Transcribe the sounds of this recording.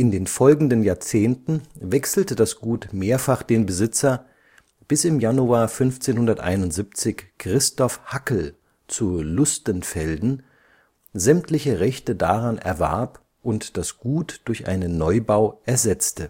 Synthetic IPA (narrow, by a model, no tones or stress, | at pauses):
ʔɪndeːnfɔlɡŋ̩dənjaːɐt͡seːntn̩vɛksl̩təd̥asɡ̥uːtmeːɐfaχd̥eːnbəzɪt͡sɐ | b̥ɪsɪmjanuaːɐfʏnft͡seːnhʊndɐtʔa̰ɪnʊntz̥ip̚t͡sɪçkʁ̥ɪstɔfhakl̩ | t͡sulʊstənfɛldn̩ | zɛmtlɪçəʁɛçtədaʁanʔɛ̰ɐvɛ̰ɐp | ʔʊntd̥asɡ̥uːtd̥ʊɐçʔa̰ɪnənːɔʏbaʊʔɛɐzɛt͡stə